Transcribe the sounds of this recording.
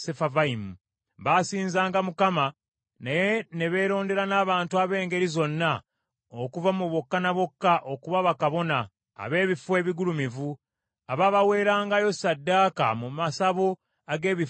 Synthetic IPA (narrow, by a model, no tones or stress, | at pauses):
sefavaimu | βasiːnzaːŋɡamukama | najene̞βe̞ːɾo̞ːnde̞ɾanaːβaːntuaβe̞ːŋɡe̞ɾizo̞nːa | okuvamuβo̞kːanaβo̞kːaʔo̞kuβaβakaβo̞na̰ː | βe̞ːβifwe̞ːβiɡulumivu | aβaβawe̞ːɾaːŋɡajo̞sadːaːka̰mumasaβo̞ | aɡe̞ːβi